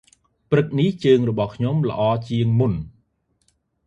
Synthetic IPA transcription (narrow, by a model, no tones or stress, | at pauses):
prɨk̚niht͡ɕəːŋrɔɓɑhkʰɲomlə̰̆ʔɑːt͡ɕiəŋmun